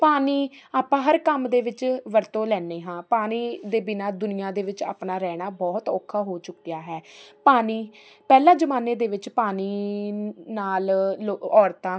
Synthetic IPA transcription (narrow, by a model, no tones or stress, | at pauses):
paːniː | aːpãːɦəɾkəmd̪eːʋɪt͡ʃʋəɾt̪õːlɛːneːɦãːpaːniːd̪eːbɪnaːd̪ʊnɪjãːd̪eːʋɪt͡ʃa̰ːpnaːɾɛːɽ̃aːbɔːt̪ɔːkʰːaːɦoːt͡ʃʊkːijaːɦɛːpaːniː | pɛːlãːd͡ʒəmaːneːd̪eːʋɪt͡ʃpaːniː | naːloɔːɾt̪ãː